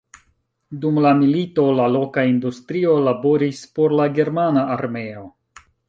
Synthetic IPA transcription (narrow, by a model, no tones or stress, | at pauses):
dumlamilito̞lalo̞kaindustɾio̞labo̞ɾispo̞ɾlaɡe̞ɾmanaːɾme̞o̞